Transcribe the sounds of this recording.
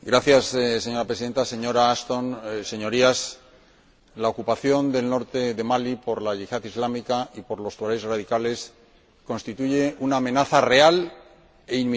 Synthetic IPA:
ɡɾaθjasːe̞ɲo̞ɾapɾesiðe̞nt̪ase̞ɲo̞ɾaast̪onse̞ɲo̞ɾias | lao̞kupaθjo̞nd̪e̞lno̞ɾt̪e̞ðe̞malipo̞ɾlaʝiʝaðizlamikaʔipo̞ɾlo̞st̪uaɾejsraðikale̞s | kõ̞nst̪it̪uʝe̞ʔunaːmẽ̞naθare̞al | e̞in

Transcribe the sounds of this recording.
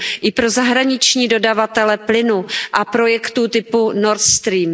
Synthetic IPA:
ʔɪpɾo̞zaɦɾaɲɪt͡ʃɲiːdo̞davat̪ɛlɛplɪnuʔapɾo̞jɛkt̪uːt̪ɪpunoɾt̪st̪ɾiːm

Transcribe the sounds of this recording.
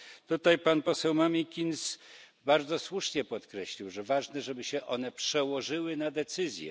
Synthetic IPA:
t̪ut̪ajpanpɔsɛwmamʲikʲins | baɾd̪zɔswuʂɲɛpɔt̪kɾɛɕlʲiwʐɛvaʐnɛʐɛbɘɕɛʔɔnɛpʂɛwɔʐɘwɘnad̪ɛt̪sɘzʲjɛ̰

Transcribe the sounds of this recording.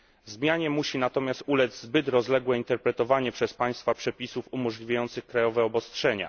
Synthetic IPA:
zmʲjaɲɛmuɕinat̪ɔmʲjast̪ulɛd̪zzbɘt̪ɾɔzlɛɡwɛint̪ɛɾpɾɛt̪ɔvaɲɛpʂɛspaj̃st̪fapʂɛpʲisufumɔʐlʲivʲajɔnt̪sɘxkɾajɔvɛɔbɔstʂɛɲa̰

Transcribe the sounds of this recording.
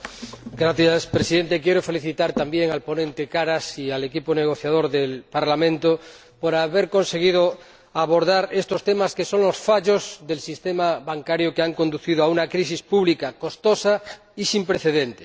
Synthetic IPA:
ɡɾaθjaspɾesiðe̞nt̪ekjeɾofe̞liθit̪aɾt̪ambjeŋalpo̞nẽ̞nt̪e̞kaɾasiale̞kipone̞ɣ̞o̞θjað̞o̞ɾðelpaɾlamẽ̞nt̪o | poɾaβe̞ɾko̞nse̞ɣ̞ið̞o | aβo̞ɾðaɾe̞st̪o̞st̪emaske̞so̞ŋlo̞sfaʎo̞zðe̞lsist̪emaβaŋkaɾjokeaŋko̞nd̪uθið̞oaunakɾis̬ispuβlikako̞st̪osa | isimpɾeθe̞ðent̪e̥

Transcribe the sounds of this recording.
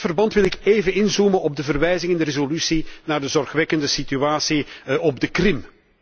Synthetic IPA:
fərbɑntʋɪlɪkeːvənɪnzumənɔb̚dəvərʋɛjzɪŋɛndərezolysinaːrdəzɔrxʋɛkəndəsityaːsiʔɔb̚dəkrɪm

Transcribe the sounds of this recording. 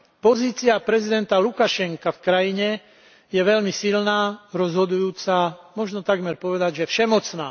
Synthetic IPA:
pɔziːt͡siapɾɛzid̪ɛnt̪alukaʃɛŋkafkɾajiɲɛ | jɛʋɛʎmisilnaːɾɔzɦɔd̪ujuːt͡samɔʒnɔt̪aɡmɛɾpɔʋɛd̪aɟʒɛfʃɛmɔt͡snaː

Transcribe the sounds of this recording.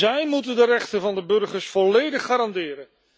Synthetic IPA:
ɛjmutəndərɛχtənvɑndəbɵrχəɹsfɔlejdəχːaːɾɑndɪːɾən

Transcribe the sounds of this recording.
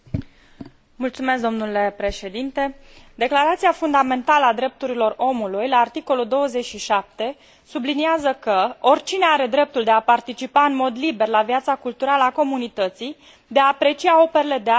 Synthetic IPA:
mult̪sumesk̚d̪o̞mnule̞pɾe̞ʃe̞d̪int̪e̞d̪e̞klaɾat̪siafund̪ame̞nt̪aləad̪ɾe̞p̚t̪uɾilo̞ro̞mulujlaːrt̪iko̞luld̪o̞wəze̞t͡ʃʲʃiʃap̚t̪e̞ | subliniazəkəo̞rʲt͡ʃineaɾe̞d̪ɾe̞p̚t̪uld̪e̞apart̪it͡ʃipaɨnmo̞d̪libe̞rlavjat̪sakult̪uɾaləako̞munit̪ət̪si | d̪e̞aːpɾe̞t͡ʃiao̞pe̞ɾele̞d̪ea

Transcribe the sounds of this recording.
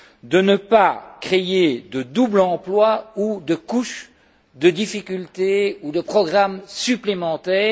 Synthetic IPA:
d̪ənəpakχeed̪əd̪ublɑ̃plwaud̪əkuʃ | d̪əd̪ifikʲylt̪eud̪əpχɔɡʁamsyplemɑ̃t̪ɛː

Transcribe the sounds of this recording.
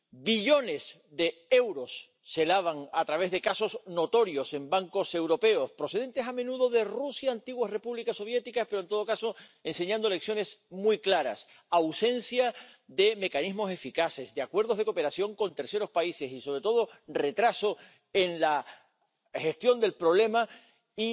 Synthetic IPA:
biʎo̞ne̞s | ðe̞e̞wɾo̞sː | e̞laβ̞aŋat̪ɾaβe̞zðe̞kaso̞zno̞t̪o̞ɾjo̞se̞mbaŋko̞se̞wɾo̞pe̞o̞spɾo̞se̞ðe̞nt̪e̞samenuð̞o̞ðe̞rusjaːnt̪iɣwasre̞puβlikaso̞βje̞t̪ikaspe̞ɾont̪oðo̞kaso̞e̞nse̞ɲãnd̪o̞le̞ksjo̞ne̞smwujklaɾa̰s | awsẽ̞nsjaðe̞me̞kanizmo̞s̬e̞fikase̞zðeakwe̞ɾð̞o̞zð̞e̞ko̞pe̞ɾasjo̞ŋkõ̞nt̪e̞ɾse̞ɾo̞spaise̞siso̞βɾet̪o̞ð̞o̞re̞t̪ɾaso̞ | e̞ŋla | xe̞st̪jo̞nd̪e̞lpɾo̞βle̞ma | i

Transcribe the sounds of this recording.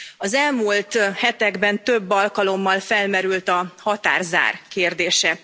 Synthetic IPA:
ɒzɛlmuːlt̪hɛt̪ɛɡbɛnt̪øbːɒlkɒlo̞mːɒlfɛlmɛɾylt̪ɒhɒt̪a̰ːrza̰ːrkeːrd̪eːʃɛ

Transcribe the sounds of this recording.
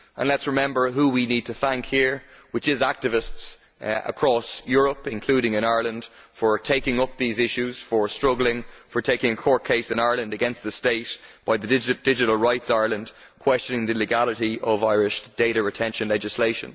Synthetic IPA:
ʔə̰̃nlətsɹɪmɛ̃mbə˞ɦuwinid̚tʰəθæ̃ŋkhiɹwɪt͡ʃɪzak̚tɨvɪsts | ʔə̰kʰɹ̥ɔsjʊɹəpɪ̃nkʰl̥ʉɾɪ̃ŋɪ̃ñaɪə˞lə̃nd̥ | fə˞tʰeɪkɪ̃ŋʊp̚ðizɪʃʉz̥fə˞stɹ̥ʌɡl̩ɪ̃ŋfə˞tʰeɪkɪ̃ŋəkʰɔɹt̚kʰeɪsɪ̃naɪə˞lə̃ndəɡɛ̃nst̪̚ðəsteɪtb̥aɪðəɪd̥ɪd͡ʒɨɾl̩ˠɹaɪtsaɪə˞lə̃nd̥ | kʰw̥ɛst͡ʃə̃nɪ̃ŋðəlɪɡaləɾiʔʌvaɪɹɪʃd̥eɪɾəɹɨtʰɛ̃nʃə̃nlɛd͡ʒɪsleɪʃə̰̃n

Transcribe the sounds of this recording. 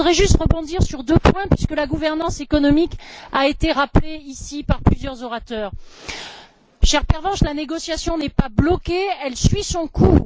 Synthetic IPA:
ʁɛʒyst̪ʁəbɔ̃d̪iʁsyʁd̪øpwɛ̃pɥiskəlaɡuvɛʁnɑ̃sekɔnɔmikaet̪eʁapleisipaʁplyzjœʁzɔʁat̪œːʁ | ʃɛʁpɛʁvɑ̃ʃlaneɡɔsjasjɔ̃nɛpablɔkeɛlsɥisɔ̃ku

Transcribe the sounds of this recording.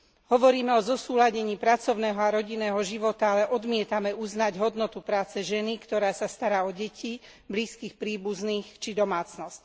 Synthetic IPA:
ɦɔʋɔɾiːmɛɔzɔsuːlaɟɛɲiːpɾat͡sɔʊnɛːɦɔaɾɔɟinɛːɦɔʒiʋɔt̪aalɛʔɔd̪mɪɛt̪amɛuznaɟɦɔd̪nɔt̪upɾaːt͡sɛʒɛnikt̪ɔɾaːsast̪aɾaːɔɟɛci | bliːskiːxpɾiːbuzniːxt͡ʃid̪ɔmaːt͡snɔsc

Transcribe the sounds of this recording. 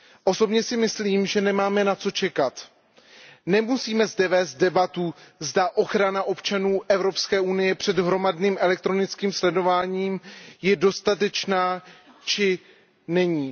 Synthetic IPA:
ʔo̞so̞bɲɛsɪmɪsliːmʒɛnɛmaːmɛnat͡so̞t͡ʃɛkat̪ | nɛmusiːmɛzdɛvɛːst̪̚dɛbat̪uzdaʔo̞xɾanaʔo̞pt͡ʃanuːʔɛvɾo̞pskɛːunɪjɛpr̝̥ɛdɦɾo̞madniːmʔɛlɛk̚t̪ɾo̞nɪt͡skiːmslɛdo̞vaːɲiːmjɛdo̞st̪at̪̬ɛt͡ʃnaː | t͡ʃɪ | nɛɲiː

